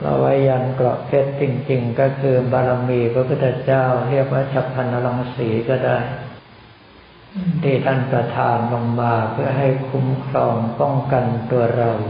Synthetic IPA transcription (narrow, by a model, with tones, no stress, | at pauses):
la̰˧wa˦˥jja˧nklɔ̰˨˩ʔp̪ʰe˥˩t̪̚t͡ɕi˧ŋt͡ɕi˧ŋkɔː˥˩kʰɯː˧baː˧la˧miː˧pʰɾa˧pʰu˥˩t̪ʰːa˧t͡ɕaː˥˩wɾi˥˩ək̚waː˥˩t͡ɕʰa˧˩pʰːa˧nʔa˧la˧ŋsiː˩˦kɔː˥˩daː˥˩j | nt̪ʰiː˧˩t̪ʰa˥˩npɾa˧t̪ʰaː˧nlo˧ŋmaː˧pʰɯ˥˩ɐɦa˥˩jkʰu˦˥mkʰɾɔː˧ŋpɔ˥˩ŋka˧nt̪u˧ɐɾa˧w